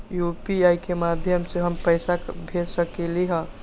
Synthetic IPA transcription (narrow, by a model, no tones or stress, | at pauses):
jupiajkemad̪ʱjəmseɦəmpəɪsabʱeɾsəkeliɦə̃